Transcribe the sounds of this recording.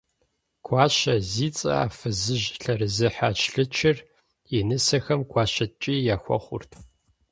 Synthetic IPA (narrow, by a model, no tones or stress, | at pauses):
kʷʰɑːɕɐziːt͡sʼɐ̰a̰ːfɨzɨʒɬɐɾɨzɨħaːt͡ʃʰɬɨt͡ʃʰɪr | inɨsɐxɐmkʷʰɑːɕɐt͡ʃʼiːjaːxʷɔ̰χʷʊ̰rtʰ